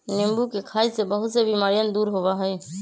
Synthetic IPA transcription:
nɪmbukekʰaːisebəɦʊt̪sebimaːɾijənd̪uːɾɦoʋaɦɛɛ

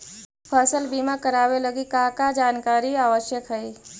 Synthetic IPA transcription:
pʰaːsəlbiːmakəɾaːwelɐɡikãːkad͡ʒaːnkaːɾiaːʋəʃjəkɦɛi

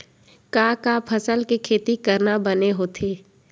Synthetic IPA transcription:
kaːkaːpʰəsəlkikʰeːt̪ikɐɾnabəneɦoːt̪ʰeː

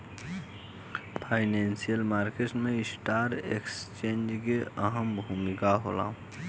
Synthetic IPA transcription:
pʰaːɪneːnsijəlmaːɾkeʈmeɪsʈaːɾekst͡ʃẽːnd͡ʒkeʔəɦəmbʱumikaɦo̰ːla̰ː

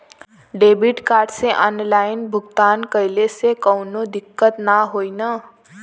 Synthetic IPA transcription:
ɖebiʈkaɾɖseʔɔnlajnbʱuɡt̪ankəjlesekʌwnod̪ikːət̪naɦojnʌ

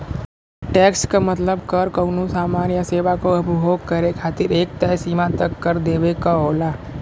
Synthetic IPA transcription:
ʈɛkskamət̪ləbkəɾkəwnũsaːmanjəseʋakoəpbʱoɡ̚kəɾekʰat̪iːɾeːk̚t̪əsimat̪əkːəɾd̪eʋekaɦola

